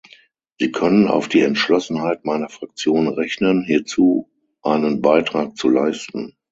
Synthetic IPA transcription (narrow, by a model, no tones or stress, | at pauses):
z̥iːkʰœnəna̰ʊfd̥iːɛntʃlɔsn̩haɪt̚maɪnɐfʁ̥ak̚t͡sjoːnʁɛçnənɦiːɐt͡suː | ʔaɪnənbaɪtʁ̥aːk̚t͡sulaɪstn̩